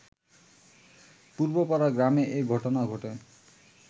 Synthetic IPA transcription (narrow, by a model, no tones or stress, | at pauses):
puɾbopaɾaɡɾameʔeɡʱɔʈonaɡʱoʈe